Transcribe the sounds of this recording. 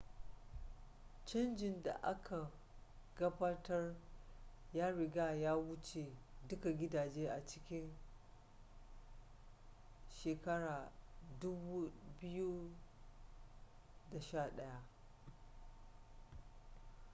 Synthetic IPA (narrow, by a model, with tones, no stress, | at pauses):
t͡ʃɐ˦nd͡ʒɪ˨nda̰˨ʔa˦kʰa˨ | ɡɐ˦baː˦tɐ˦r | jaː˦ɽɪ˨ɡaː˦jaː˦wʊ˦t͡ʃeː˨dʊ˦ka˨ɡʲɪ˦daː˨d͡ʒeː˦ʔa˨t͡ʃɪ̥˦kʲɪ˦n | ʃeː˨kɐ˦ɽaː˨dʊ˦bu˦bɪ˦ju˦ | da˨ʃaː˦˨ɗɐ˦ja˦ʔ